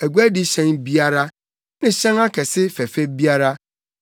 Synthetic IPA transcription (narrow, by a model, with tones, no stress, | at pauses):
æ˨ɡʷæ˦dɪ˦ɕɛ̃˦nbi˦a˦ɾa˦ | nɪ̃˦ɕɛ̃˦ŋa˦kʰɛ˨sɪ˦fɛ˨fe˦bi˦a˦ɾa˦